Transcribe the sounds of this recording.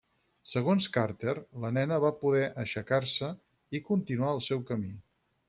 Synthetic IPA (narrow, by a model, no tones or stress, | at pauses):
səɣ̞onskaɾt̪erlənɛnəβapuðɛʔəʃəkaɾsə | ikunt̪inuaəlˠsɛwkəmi